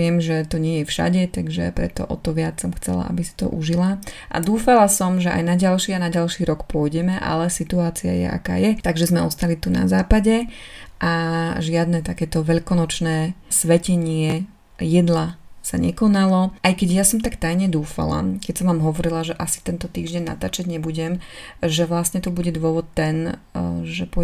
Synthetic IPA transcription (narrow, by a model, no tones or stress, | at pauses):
ɪɛmʒɛt̪ɔɲɪɛjɛfʃa̰ɟɛt̪aɡʒɛ̰pɾɛ̰t̪ɔ̰ʔɔ̰t̪ɔʋɪat͡ssɔmxt͡sɛ̰la̰ʔa̰bisi̥t̪ɔ̰ʔuʒilaʔa̰d̪uːfalasɔmʒɛʔa̰jnaɟalʃianaɟalʃiːɾɔkpʊɔjɟɛmɛʔa̰lɛsit̪uaːt͡sia̰jɛ̰ʔa̰ka̰ːjɛt̪aɡʒɛzmɛʔɔst̪alit̪una̰zaːpaɟɛʔaʒɪad̪nɛt̪akɛːt̪ɔʋɛʎkɔnɔt͡ʃnɛːsʋɛcɛɲɪɛ | jɛd̪lasa̰ɲɛkɔnalɔʔajkɛɟjasɔmt̪akt̪ajɲɛd̪uːfa̰la̰kɛcsɔmʋaːmɦɔʋɔɾilaʒɛʔasi̥t̪ɛnt̪ɔt̪iːʒɟɛɲːa̰t̪aːt͡ʃaɟɲɛbuɟɛmʒɛʋlasɲɛt̪ubuɟɛd̪ʊɔʋɔt̪ːɛnʒɛpɔ